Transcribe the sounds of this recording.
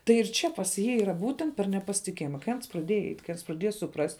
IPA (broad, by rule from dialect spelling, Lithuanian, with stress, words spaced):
tɐɪ ɪr ˈt͡ʃʲɛ pɐs ˈjiː iːˈrɐ ˈbuːtʲɛnt pʲɛr nʲɛpɐsʲɪtʲɪˈkʲeːjɪmɐ kɐɪ ˈɐns prɐˈdʲeːjɛ ɛɪtʲ kɐɪ prɐˈdʲeːjɛ sʊˈprɐsʲtʲ